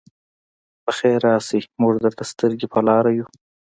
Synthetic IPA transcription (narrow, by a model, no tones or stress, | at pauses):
bəxeɾɑːsimuʐd̪əɾt̪ast̪əɾɡipʰəlɑːɾaju